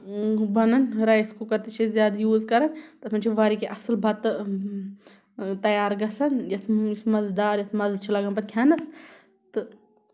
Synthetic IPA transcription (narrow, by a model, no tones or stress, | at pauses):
bɐnɐnɾaːjskokɐɾt̪et͡ʃʰezjaːd̪ɐjuːzkɐɾɐnt̪ɐt̪mɐnt͡ʃʰiʋaɾikeʔɐslbɐt̪ | t̪ɐjaːɾɡɐsɐnjɐt̪ʰjismɐzd̪aːɾjɐt̪ʰmɐzt͡ʃʰilɐɡɐnbɐt̪̚kʲʰaːnɐs | t̪ɨ